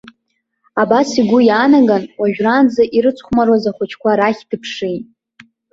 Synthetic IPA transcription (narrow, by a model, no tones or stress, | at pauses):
abasiɡʷʊjaːnaɡanwaʒᶣrand͡zaʔiɾɨt͡sʷʰχʷmaɾwazaχʷʊt͡ʃʰkʷaɾaχʲd̥ɨpʰʂijtʼ